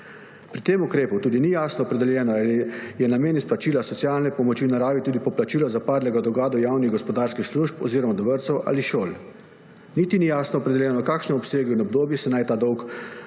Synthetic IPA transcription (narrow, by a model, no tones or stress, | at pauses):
pɾit̪eːmukɾeːput̪uːd̪inijaːsnɔːpɾɛd̪ɛljɛːnɔalijɛnameːnisplat͡ʃiːlasɔtsijaːlnɛpɔmɔt͡ʃinaɾaːʋit̪uːd̪ipɔplat͡ʃiːlɔzapaːd̪lɛɡad̪ɔɡaːd̪ɔjaːwniɣɡɔspɔd̪aːɾskixsluʃpɔ̰ziːɾɔmad̪ɔʋəɾt̪sɔwʔa̰liʃoːl | nit̪inijaːsnɔːpɾɛd̪ɛljɛːnɔkaːkʃnɛɔpseːɡuinɔb̚d̪oːbjɛsɛnajt̪aːd̪ɔwk